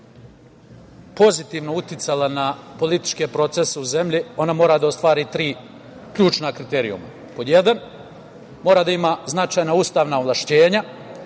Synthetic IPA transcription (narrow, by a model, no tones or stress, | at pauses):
po̞zit̪iːʋno̞ut̪jɪt̪salanapo̞lit̪i̥t͡ʃke̞pɾo̞t̪seseuze̞mʎio̞namo̞ːɾad̪ao̞st̪ʋaːɾiːt̪ɾiː | kʎuːt͡ʃnakɾit̪eːɾiṵma̰ | pod̪je̞d̪an | mo̞ːɾad̪aimaːznat͡ʃaːjnauːst̪aːʋnaoʋlˠaʃt͡ɕe̞ːɲa